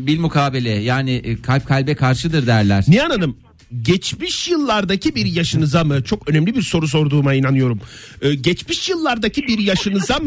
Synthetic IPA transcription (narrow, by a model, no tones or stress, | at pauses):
biɾʲmukʰaːbelʲɛjaːnɪkʰalʲp̚kʰalʲbɛkʰaɾʃɯd̪ɯɾd̪æɾlʲæɾ̥nianad̪ɯm | ɟɛt͡ʃmiʃjɯlˠːaɾd̪acibiɾjaʃɯnɯzamɯt͡ʃʰo̞kø̞nɛmlʲibiɾso̞ɾus̬o̞ɾd̪uːmainanɯjo̞ɾumɯːɟɛt͡ʃmiʃjɯlˠːaɾd̪acibiɾjaʃɯnɯzamɯ